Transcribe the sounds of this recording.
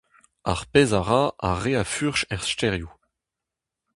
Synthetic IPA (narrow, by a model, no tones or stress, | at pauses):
a̰ʁpezaʁaaʁːeafyʁʃɛʁstɛʁju